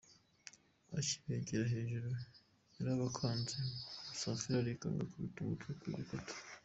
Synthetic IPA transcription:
aci̥βeɟeɾaɦeːʒuɾo | eɾaβakʰaːnzemusaːsiɾaɾika̰ŋɡa̰kuβituβutekwḭβikatu̥

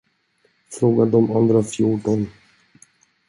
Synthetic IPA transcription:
fɾoːɡad̪ɔmand̪ɾafjuːʈɔn

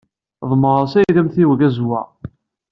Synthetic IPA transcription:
ðˤməɾˤɑsæjðæmθiwəɡæzwæ̰

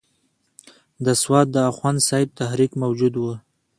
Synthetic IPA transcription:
d̪əswɑt̪̚d̪əaxwɑnsɑjɪb̚t̪aɦɾikmawd͡ʒud̪wə

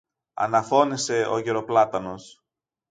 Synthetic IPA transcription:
ɐ̰nɐfo̞nise̞o̞̰ʝe̞ɾo̞plɐt̪ɐno̞s

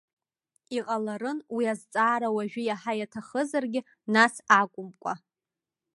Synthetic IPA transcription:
iqʼalaɾɨnwiazt͡sʼaːɾawaʒᶣɪjaħajatʰaχəzarɡʲɪ | nasakʷʼʊmkʷʼa̰

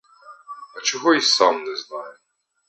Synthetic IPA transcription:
ɐt͡ʃɪɦɔisamnɛznɑj

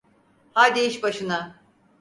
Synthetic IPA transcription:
haɾd̪ejiʃbaʃɯna

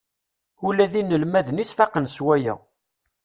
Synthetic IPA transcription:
ulæðinːəlmæðənisfɑqənswæjæ̰

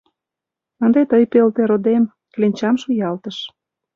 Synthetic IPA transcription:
ənd̪et̪əjpelt̪eɾod̪em | klenʲt͡ɕɑmʃujɑlt̪əʃ

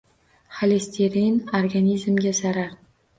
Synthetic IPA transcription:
χalest̪ʰeɾinoɾɡanizmɡʲasaɾaɾ

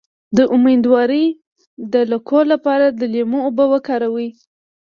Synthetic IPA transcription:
d̪əʔʊmed̪wɑɾəj | d̪əlʊkʰolapɑɾad̪əlemoːbəwəkɑɾawi

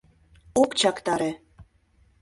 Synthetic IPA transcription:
okt͡ɕɑkt̪ɑɾe

